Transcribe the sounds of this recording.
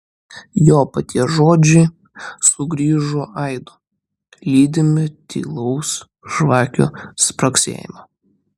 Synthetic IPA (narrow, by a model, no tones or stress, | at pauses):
joːpɐt̪ʲiɛʒoːd͡ʒʲɛɪ | sʊɡɾʲiːʒoːʔɐɪd̪oː | lʲiːd̪ʲɪmʲɪt̪ʲḭːlˠɔʊs | ʒʋɑːkʲṵspɾɐksʲḛːjɪ̰mɐ